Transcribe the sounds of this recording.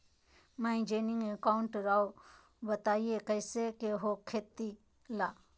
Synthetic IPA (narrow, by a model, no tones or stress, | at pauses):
mãĩd͡ʒeːnĩŋɡekaːuɳʈɾaːo | bət̪aːiekəjsekeɦokʰːeːt̪i | laː